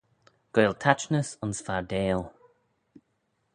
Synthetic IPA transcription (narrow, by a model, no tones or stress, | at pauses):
ɡ̥oːlˠtʰat͡ʃnəsʊnsfaɹdeːlˠ